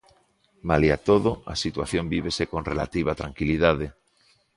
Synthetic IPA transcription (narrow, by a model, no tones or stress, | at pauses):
maliat̪oðoa̰sit̪waθjombiβesekõnrela̰t̪iβ̞at̪ɾaŋkiliðaðe